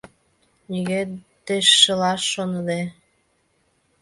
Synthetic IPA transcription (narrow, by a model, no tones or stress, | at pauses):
niɣet̪eʃːəlɑʃːonəd̪e